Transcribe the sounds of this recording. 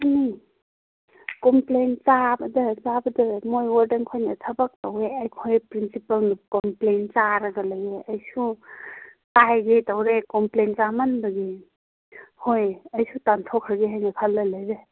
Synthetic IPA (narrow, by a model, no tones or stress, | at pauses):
ani | komplent͡ʃabɐdɐzabɐdɐmojwaɾdeŋkʰojnɐtʰɐbɐk̚tɐweɐjkʰojpɾinsipɐlnukomplent͡ʃaɾɐɡɐlɐjeʔɐjsu | tajɡetɐwɾekomplent͡ʃamanbɐɡi | hojɐjsutantʰɔkʰɾɐɡeɦajnɐkʰalːɐlajɾe